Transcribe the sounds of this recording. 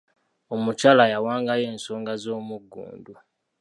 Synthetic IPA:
omucalajawaːŋɡaje̞ːnso̞ːŋɡazo̞ːmuɡːṵːndu

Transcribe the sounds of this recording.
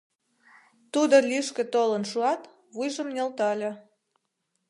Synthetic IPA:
t̪ud̪olʲiʃkĕt̪olənʃuɑt̪ | βujʒəmnʲelt̪ɑlʲĕ

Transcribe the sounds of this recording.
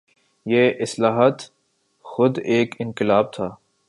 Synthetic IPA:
jeːʔɪslaːɦət̪ | xʊd̪eːkɪnqɪlaːb̚t̪ʰaː

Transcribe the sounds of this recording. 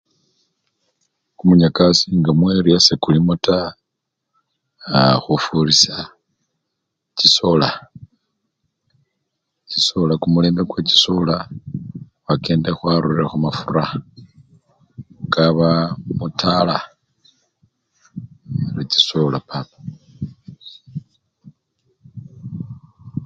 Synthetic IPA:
kumuɲakasiŋɡamwe̞ɾiasekulimuta | xufuɾisa | ciso̞la | ciso̞lakumule̞ːmbeɡweci̥so̞la | wake̞ːndexwaɾuiɾexumafura | ŋɡaβamutʰala | ɾit͡ʃi̥solapʰapḁ

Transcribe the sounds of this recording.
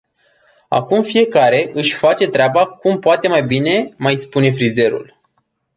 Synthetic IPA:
a̰kumfije̞kaɾe̞ʔɨʃʲfat͡ʃe̞t̪ɾeabakumpoat̪e̞majbine̞majspune̞fɾize̞ɾṵl

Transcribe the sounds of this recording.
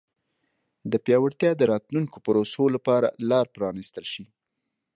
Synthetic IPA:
d̪əpjɑwaɾt̪jɑd̪əɾɑt̪luŋkopəɾosolapɑɾa̰lɑɾpɾɑnist̪əlʃi

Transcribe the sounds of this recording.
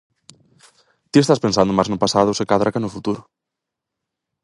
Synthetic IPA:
t̪iest̪aspensand̪ʊmaznʊpasaðʊsekaðɾakanʊfut̪uɾʊ

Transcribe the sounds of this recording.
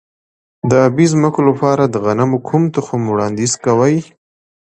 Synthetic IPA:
d̪əabizməkolapɑɾad̪əɣanamokʰumt̪əxomwɽɑnd̪izkawaj

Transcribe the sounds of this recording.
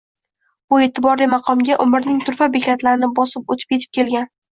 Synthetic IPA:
bʊe̞t̪ʰɪbɒɾlijmɑqʰɒmɡʲaʔʊmɪɾnɪŋt̪ʰʊɾfabekʲʰat̪laɾɪnɪbɒsɪp̚ot̪ʰɪ̥p̚kʰʲe̞t̪ʰɪ̥p̚kʲʰe̞lɡʲan

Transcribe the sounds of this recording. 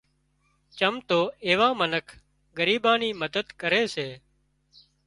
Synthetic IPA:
t͡ʃəmt̪oːeːʋãːmənəkʰ | ɡəɾiːbãːniːməd̪əd̪kəɾeːseː

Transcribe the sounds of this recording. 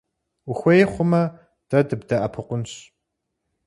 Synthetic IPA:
ʊxʷejχʷʊmɐ | d̥ɐdɨbdɐʔɐpʰɨqʷʊnɕ

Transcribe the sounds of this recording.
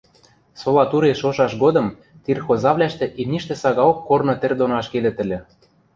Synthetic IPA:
solɑt̪uɾeʃoʃɑʃɡod̪ɤ̆m | t̪irxozɑβlʲæʃt̪ĕʔimnʲiʃt̪ĕsɑɣɑokːornŏt̪ĕrʲd̪onɑʃked̪ɘ̆t̪ɘ̆lʲɘ̆

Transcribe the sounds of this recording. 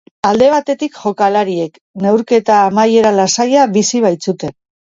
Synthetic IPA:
ald̪e̞β̞at̪e̞t̪ikʝo̞kalaɾie̞k | ne̞wɾke̞t̪aːmaje̞ɾalasajaβisiβ̞ajt͡sut̪e̞n

